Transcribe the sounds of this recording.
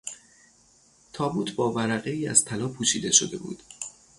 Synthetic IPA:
t̪ʰɒːbuːt̪ʰbɒːvæɾæɣe̞iːæ̰z̥t̪ʰælɒːpʰuːʃḭːd̪e̞ʃo̰d̪e̞̰bṵːd̪̥

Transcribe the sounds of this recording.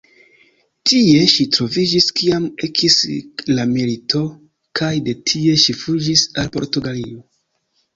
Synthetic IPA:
tʰie̞ʃitɾo̞vid͡ʒiskiamekʰislamilitʰo̞ | kajde̞tʰie̞ʃifud͡ʒisalpo̞̰ɾtuɡalio̞

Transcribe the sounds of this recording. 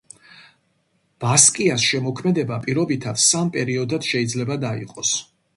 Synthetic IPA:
b̥askʼiasʃɛmɔkʰmɛd̪ɛbapʼiɾɔbit̪ʰat̪ssampʼɛɾiɔd̪ad̪̥ʃɛid̪zlɛbad̪aḭqʼɔs

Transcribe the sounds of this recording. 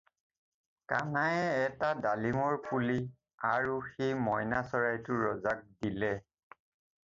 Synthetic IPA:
kanajɛɛtadalimɔɹpuli | aɹuxejmɔjnasɔɹajtʊɹɔzak̚dilɛ

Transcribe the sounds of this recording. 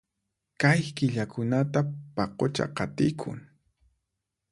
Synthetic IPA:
kajkɪʎakʊnat̪apɑqot͡ʃa̰qɑt̪ɪjkʰʊ̰ŋ

